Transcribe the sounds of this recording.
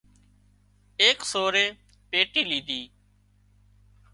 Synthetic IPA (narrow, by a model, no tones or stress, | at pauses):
eːksoːɾeː | peːʈiːlĩːd̪ʱiː